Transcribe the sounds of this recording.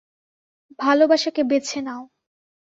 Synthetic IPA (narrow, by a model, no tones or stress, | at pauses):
bʱalobaʃakebet͡ɕʰenao